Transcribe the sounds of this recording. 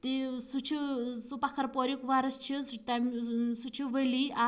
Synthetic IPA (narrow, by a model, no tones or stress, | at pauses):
t̪isut͡ʃʰisupɐkʰɐɾpoɾikʋaɾɐst͡ʃʰist̪amsut͡ʃʰiʋəlia